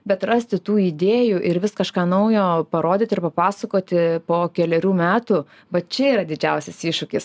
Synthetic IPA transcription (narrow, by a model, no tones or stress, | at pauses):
bʲɛt̪rɐsʲt̪ʲɪt̪uːid̪ʲeːjuʔɪɾʋʲɪskɐʃkɑːnɐʊjoːpɐɾoːd̪ʲɪːt̪ʲɪrpɐpɑːsɐkoːt̪ʲɪpoːkʲɛlʲɛɾʲuːmʲæːt̪u | ʋɐt̪̚t͡ʃʲɛiːɾɐd̪ʲɪd͡ʒʲɛʊsʲɛsiːʃʊkʲɪs